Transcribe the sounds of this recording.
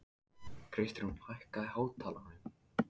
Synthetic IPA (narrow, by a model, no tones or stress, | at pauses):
kʰɾɪst̪ɪɾhunfʰajhkaihaːwt̪ʰaːlanm